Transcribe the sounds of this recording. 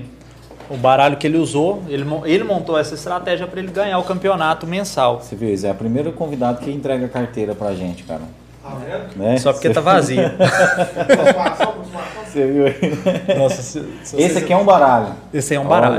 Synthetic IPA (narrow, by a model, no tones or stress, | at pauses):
ʊbaɾaʎʊkɪelɪuzoelɪmõelɪmõnt̪oɛsɐist̪ɾat̪ɛʒiɐpɾɐelɪɡɐ̃ɲaɾʊkɐ̃mpionat̪ʊmẽsawseviwisʊɛɐpɾimejɾʊkõvid̪ad̪ʊkɪĩnt̪ɾɛɡɐkaɾt̪ejɾɐpɾɐaʒẽt͡ʃɪ̥ka̰ɾɐ̰ | nɛsɔpʊɾket̪avaziʊ | seviwɐnɔss | esɪɐkiɛũbaɾaʎʊ | esɪɛũbaɾɾa̰l